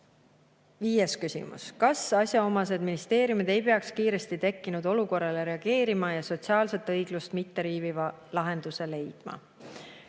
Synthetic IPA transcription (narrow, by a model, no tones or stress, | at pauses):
viːjeskysḭmṵskɑsɑsʲjɑo̞mɑs̬e̞d̪minist̪e̞ːɾjumid̪̥e̞jpe̞ɑkskiːɾe̞st̪it̪e̞kːinud̪̥o̞luko̞rːɑle̞ɾe̞ɑɡ̥e̞ːɾimɑjɑso̞t̪siɑːlse̞t̪ːˑɤjɡ̥lust̪mit̪ːe̞ɾiːvivɑ | lɑɦe̞nd̪̥use̞le̞jd̪̥mɑ̰